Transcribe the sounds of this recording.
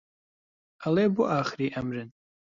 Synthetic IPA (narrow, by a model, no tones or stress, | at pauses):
ʔɐlˠeːbuʔaːxɾiːʔɐmɾɨn